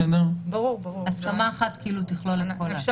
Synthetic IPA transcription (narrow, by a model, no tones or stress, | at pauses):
edabɐʁuʁaskamaːχat̪kiiːlut̪iχloleko